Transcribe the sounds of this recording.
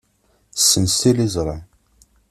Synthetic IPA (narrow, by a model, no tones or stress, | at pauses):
sːənsilizˤɾˤɑ